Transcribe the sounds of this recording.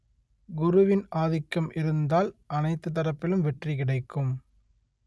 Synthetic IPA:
ɡʊɾʊʋɪnʔaːðɪkːɐmʔɪɾɯnd̪aːlʔɐnɐɪt̪ːɯt̪ːɐɾɐpːɪlɯmʋɛʈrikɪɽɐɪkːɯm

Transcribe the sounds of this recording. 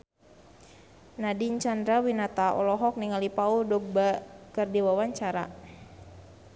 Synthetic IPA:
nadiɲt͡ʃand̪ɾawinat̪aʔɔ̰lɔɦɔk̚niŋalipaudɔbakərdiwawaɲt͡ʃaɾa̰

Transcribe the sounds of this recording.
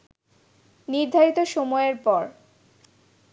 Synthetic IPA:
niɾd̪ʱaɾit̪oʃomɔeeɾpɔɾ

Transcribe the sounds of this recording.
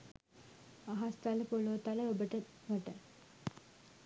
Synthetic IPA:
aɦast̪aləpolot̪aləobəʈə | məʈə

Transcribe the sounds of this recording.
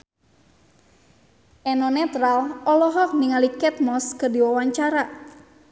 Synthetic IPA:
ʔɛnɔnɛt̪ɾalɔlɔɦɔk̚niŋalikɛt̪̚mɔskərdiwawaɲt͡ʃaɾa

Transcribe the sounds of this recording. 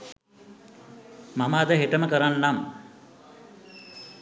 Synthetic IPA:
maməːd̪əɦeʈəməkəɾanːam

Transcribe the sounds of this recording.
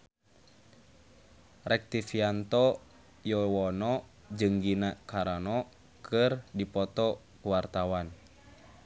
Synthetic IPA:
rɛk̚t̪ifiant̪ɔ | jɔwɔnɔ | d͡ʒɨŋɡinakaɾanɔ | kʰɨrdipɔt̪ɔ | kuwart̪awan

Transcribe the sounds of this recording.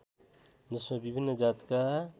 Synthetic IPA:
d͡ʒɪsmẽbɪbʱinːəd͡ʒaːt̪ka

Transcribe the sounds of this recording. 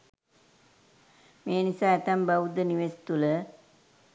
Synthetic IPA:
meːnisaɐt̪ɐmbɐwud̪əniʋesi̥t̪ulə

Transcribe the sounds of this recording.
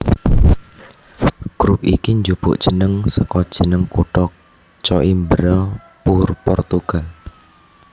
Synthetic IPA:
ɡ̥ɾup̚ikiɲd͡ʒub̥ʊ̰ʔdʒ̥ə̤nəŋsɔkɔd̥ʒ̥ə̤nəŋkuʈɔk̚ | t͡ʃɔʔimbəɾə | purpɔrt̪uɡ̥al

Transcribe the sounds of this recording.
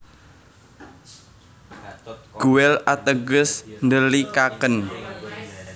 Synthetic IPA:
ɡ̥uwɛlat̪əɡʊsnd̪əlikakən

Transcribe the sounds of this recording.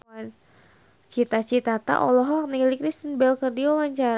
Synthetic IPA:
an | t͡ʃit̪at͡ʃit̪at̪a̰ʔɔlɔɦɔnilikɾist̪ənbɛlkərdiwawaɲt͡ʃaɾ

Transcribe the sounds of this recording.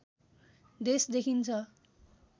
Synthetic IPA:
d̪esd̪ekʰint͡sʰʌ

